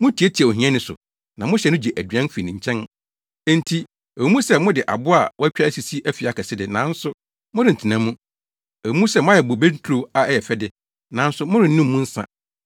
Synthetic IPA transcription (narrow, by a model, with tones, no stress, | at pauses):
mʊ̃˦tʰi˨˦e˦tʰi˨ɛ˨o˨ɦĩ˨˦ɛ̃˦nɪ̃˨sʊ̰˨ | nã˨mʊ̃˦ɕɛ˨nʊ̃˦d͡ʑi˨ʔæ˨dɥɛ̃˦n˦fi˨nĩ˨ɲ̩˨t͡ɕʰɛ̃˦n | ɛ̃˦n̩tʰi˦ | ɛ˨˦mũ˦sɛ˦mʊ̃˦dɪ˨ʔa̰˨bʊ˦a˨wɔ˦æ˦t͡ɕᶣa˦si˨si˦ʔæ˦fi˨a˨kʰɛ˨sɪ˦dɪ˨nã˨˦n̩˦sʊ˦ | mʊ̃˦dɪ˨n̩˨tʰɪ˨nã˨˦mũ˦ | ɛ˨˦mũ˦sɛ˦mʊ̃˦a˦jɛ˨bʊ˨be˦n̩˦tʰɾo˨a˨ɛ˦jɛ˨fɛ˦dɪ˨ | nã˨˦n̩˦sʊ˦mʊ̃˦ɾɪ˨n̩˦nũ˦mː˦ũ˦n̩˦sã̰˨